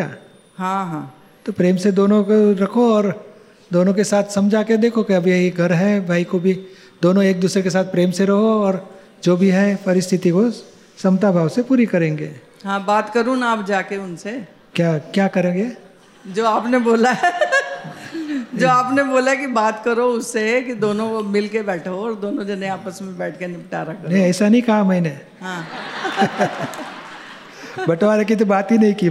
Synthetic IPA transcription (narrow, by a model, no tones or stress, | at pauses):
kja̰ː | ɦãːɦãː | t̪oːpɾeːmsed̪oːnõkɾɐkʰoɔːɾ | d̪oːnõkesaːt̪ʰsɐ̃md͡ʒʱaːked̪eːkʰokiɐbʱiɐɦiɡʱɐɾɦɛbʱaːikobʱi | d̪oːnõeːk̚d̪uːsɾekesaːt̪̚ʰpɾeːmseɾɐɦoɔːɾ | d͡ʒoːbʱiɦɛpɐɾɪst̪ʰɪt̪iko | sɐ̃mt̪abʱaːʋsepuːɾikɐɾẽːŋɡḛː | ɦãːbaːt̪kɐɾũːnaːpd͡ʒaːkeʊnse | kjaːkjaːkɐɾẽːŋɡeː | d͡ʒoːaːpneboːlaɦɛ | d͡ʒoːaːpneboːlaɦɛkibaːt̪kɐɾoʊsːekid̪oːnõmɪlkebɛːʈʰoɔːɾd̪oːnõd͡ʒɐnẽaːpəsmẽbɛːʈ̚ʰkenɪpʈaːɾakɐɾnɦĩɛːsanɐɦĩkɐɦamɛ̃ːne | ɦãː | bɐʈʋaɾɛk̬it̪̬obaːt̪ɦinɐɦĩkiː